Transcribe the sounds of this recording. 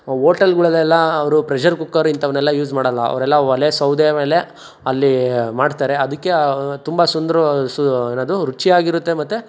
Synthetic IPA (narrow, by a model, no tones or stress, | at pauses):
oːʈɐlɡuɭɐlːɛlːɐɐʋɐɾupɾed͡ʒɐɾkukːaːɾuint̪ɐʋɐɾnɛlːɐjuːzmaːɽɐlːɐɐ̰ʋɐɾɛlːɐɐlesɐwd̪ejɐme̞ːle̞ | ɐlːimaːɖt̪aːɾe̞ɐd̪ɐkːe̞t̪umbɐsund̪ɾɐseːnaːd̪uɾut͡ʃːiaːɡiɾut̪ːe̞mɐt̪ːu